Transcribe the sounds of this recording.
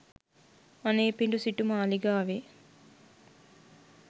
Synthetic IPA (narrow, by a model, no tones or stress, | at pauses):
ɐneːpiɳɖusiʈumɐːliɡaːʋe